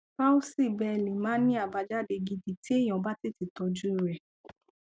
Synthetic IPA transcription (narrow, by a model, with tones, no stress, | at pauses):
ka˦o˦si˦˨bɛ˧˨lĩ˨mãː˨˦nĩ˦a˦˨ba˧d͡ʒa˦de˧ɡi˧di˨ti˦e˦˨j̃ɔ̃˨˦ba˦ti˦˨ti˧˦tɔ˧d͡ʒu˦i˦˨ɾɛ˨